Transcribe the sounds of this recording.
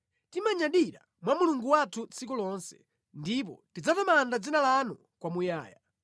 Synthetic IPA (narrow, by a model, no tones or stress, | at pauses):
timaɲaɗiɾa̰ | mwamuluŋɡuwatʰut͡sik̬ulɔnsɛ̥̰ | ndip̬ɔ̰tid͡zatamandad͡zinalanu | kwamujaːja̰